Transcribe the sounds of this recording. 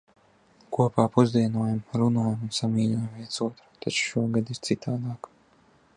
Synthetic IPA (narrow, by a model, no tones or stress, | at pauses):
kuɔpaːpuzd̪iɛnuɔjamɾunuɔjamunsamiːlʲujamviɛsuɔt̪ɾu̥t̪ʰat͡ʃu̥ʃuɔɡad̪iɾt̪sit̪aːd̪aːk